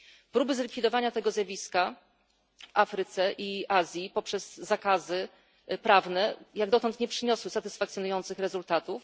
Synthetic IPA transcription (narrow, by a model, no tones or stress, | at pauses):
pɾubɘzlʲikfʲid̪ɔvaɲat̪ɛɡɔzjavʲiska | vafɾɘt̪sɛʔiʔazʲjipɔpʂɛz̥ːakazɘ | pɾavnɛjaɡ̚d̪ɔt̪ɔnt̪ɲɛpʂɘɲɔswɘsat̪ɘsfak̚t̪sʲjɔnujɔnt̪sɘxɾɛzult̪at̪uf